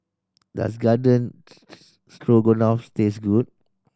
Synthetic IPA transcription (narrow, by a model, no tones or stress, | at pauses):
da̰s̬ɡadə̃n | stɹoɡonafstesɡud̚